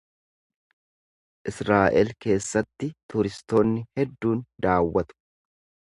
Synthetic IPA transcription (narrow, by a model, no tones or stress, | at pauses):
ʔɪsɾaːʔɛlke̞ːsːɐt̪ːɪt̪ʊɾɪst̪o̞ːnːɪhɛd̪ːuːnd̪aːwːɐt̪ʊ̥